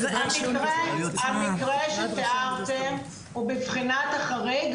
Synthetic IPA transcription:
amiʁeamikʁeʃet̪eʔaʁt̪em | ubevχinat̪aχaʁeɡ

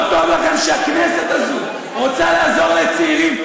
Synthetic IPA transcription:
t̪oabakanʃeakneset̪azu | ʁot͡salaːzo̞ʁlet͡siiʁim

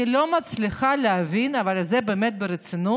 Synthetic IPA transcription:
ilo̞mat͡sliχaleavinavalzebeːmet̪̚beɾet͡sinu

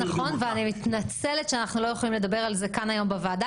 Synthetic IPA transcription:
aχo̞nveanimit̪nat͡selet̪ʃeanaχnulo̞jeχolimle̞d̪abe̞ʁalze̞kanajo̞mbevaːd̪a

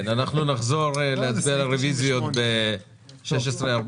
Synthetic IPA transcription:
nanaχnunaχzo̞ʁeleat͡sbialaʁevizujot̪be | ʃeʃ̬esʁeaʁb

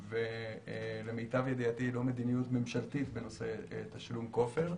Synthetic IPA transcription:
ve | le̞mejtavjed̪iat̪ilo̞me̞d̪inijut̪me̞mʃalt̪it̪be̞no̞se̞t̪aʃlumko̞feʁ

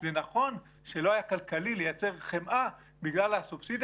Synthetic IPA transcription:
zenaχo̞n | ʃe̞lo̞ajakalkalile̞jat͡se̞ʁχemʔa | biɡlalasubsid̪

